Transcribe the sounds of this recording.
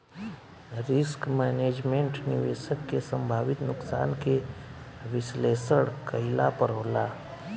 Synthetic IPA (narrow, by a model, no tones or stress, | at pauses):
ɾɪskmɛːneːd͡ʒmẽɳʈnɪʋeːʃəkːesə̃mbʱaːʋɪt̪nʊksa̰ːnke | ʋɪsleːsəɽkəɪla̰pəɾɦoːlaː